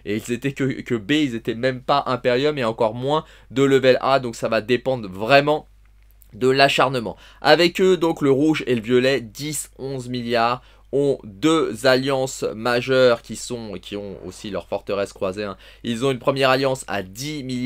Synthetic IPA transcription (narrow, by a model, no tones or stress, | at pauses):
eilzet̪ɛkəkəbeilzet̪ɛmɛmpaʔɛ̃peʁjœmeɑ̃kɔʁmwɛ̃ | d̪ələvɛlʔad̪ɔ̃ksavad̪epɑ̃d̪ʁvʁɛmɑ̃ | d̪əlaʃaʁnəmɑ̰̃ | a̰vɛkød̪ɔ̃kləʁuʒeləvjɔlɛd̪isɔ̃zmiljaːʁ | ɔ̃d̪øzaljɑ̃smaʒœʁkʲisɔ̃ekʲiɔ̃o̰silœʁfɔʁt̪əʁɛskχwazeɛ̃ | ilzɔ̃ynpχəmjɛʁaljɑ̃sa̰d̪imil